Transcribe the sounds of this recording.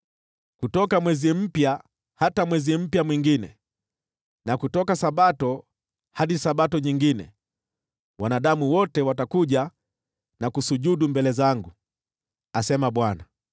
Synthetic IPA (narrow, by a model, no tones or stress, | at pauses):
kutɔkamwɛzim̩pja | hatamwɛzim̩pjamwiŋɡinɛ̰ | nakutɔkasaɓatɔ | haɗisaɓatɔɲiŋɡinɛ̰ | wanaɗamuwɔtɛwatakuʄa | nakusuʄuɗumbɛlɛzaŋɡu | asɛmaɓwana